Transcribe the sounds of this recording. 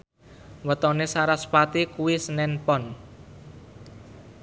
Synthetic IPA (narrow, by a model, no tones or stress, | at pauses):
wət̪ɔnesaɾaspat̪ikuwisənɛnpɔn